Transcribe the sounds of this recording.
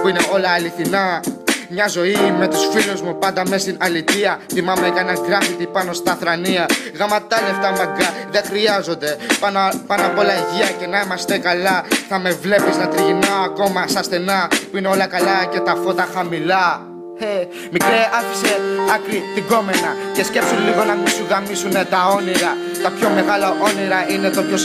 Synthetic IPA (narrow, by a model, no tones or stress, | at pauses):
puine̞o̞lɐːliθinɐmɲɐzo̞ime̞t̪usfiluzmupɐnd̪ɐme̞st̪inɐlit̪iɐθimɐmekɐnɐɡɾɐfit̪ipɐno̞st̪ɐθɾɐniɐɣɐmɐt̪ɐleft̪ɐmɐɡɐðe̞xɾiɐzo̞nd̪e̞ɐnpɐnɐpo̞lɐʝiɐce̞nɐimɐst̪ekɐlɐθɐme̞vle̞pisnɐt̪ɾiɣinɐːko̞mɐsɐsθe̞nɐpuineo̞lɐkɐlɐce̞t̪ɐfo̞t̪ɐxɐmilɐ | e | mikɾeɐfi̥se̞ɐkɾit̪iɡo̞menɐce̞sce̞psunliɣo̞nɐmisuɣɐmisune̞t̪ɐo̞niɾɐ | t̪ɐpço̞me̞ɣɐlɐʔo̞niɾɐine̞t̪opços